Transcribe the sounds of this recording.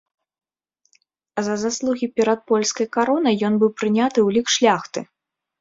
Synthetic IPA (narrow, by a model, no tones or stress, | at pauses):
zɐzaslˠuɣʲipʲɛɾɐt̪̚pɔlʲskɐjkaɾɔnɐjjɔnbɨwpɾɨnʲat̪ɨwlʲikʂlʲaxt̪ɨ